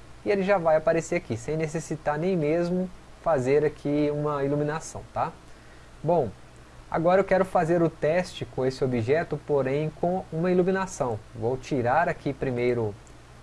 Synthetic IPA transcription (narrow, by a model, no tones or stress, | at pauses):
ɪelɪʒavajapaɾeseɾakisẽj̃nesesit̪aɾnẽj̃mezmʊ | fazeɾakʰiũmɐilumĩnasɐ̰̃w̃t̪a | bõw̃ | a̰ɡɔɾɐewkɛɾʊfazeɾʊt̪ɛst͡ʃɪkõesɪobiʒɛt̪ʊpoɾẽj̃kõũmɐilumĩnasɐ̃w̃vowt͡ʃiɾaɾakʰipɾimejɾʊ